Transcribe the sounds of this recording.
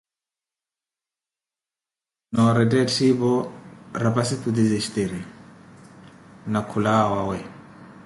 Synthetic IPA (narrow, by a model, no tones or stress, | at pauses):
nɔɾɛdɛtʰibɔɾapasifʰud̪izɛʃi̥t̪eɾi | nakʰulawawɛ